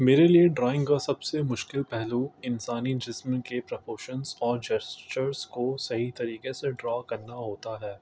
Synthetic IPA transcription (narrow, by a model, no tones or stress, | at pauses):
meːɾelieɖɾɔːɪ̃ŋɡkasɐbsemʊʃkɪlpɛɦluɪnsaːnid͡ʒɪsmə̃kepɾɐpʰoːʃənzɔːɾd͡ʒɐst͡ʃəɾskosɐɦit̪ɐɾiːkeseɖɾɔːkɐɾnaɦoːt̪aɦɛː